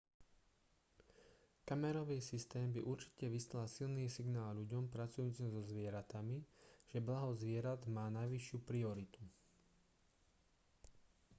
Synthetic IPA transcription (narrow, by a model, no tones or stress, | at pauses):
kamɛɾɔʋiːsist̪ɛːmbiʔuɾt͡ʃi̥cɛʋislasilniːsiɡnaːlʎuɟɔmpɾat͡sujuːt͡simzɔzʋɪɛɾat̪amiʒ̥ɛblaɦɔzʋɪɛɾad̪maːnajʋiʃɪupɾiɔɾit̪u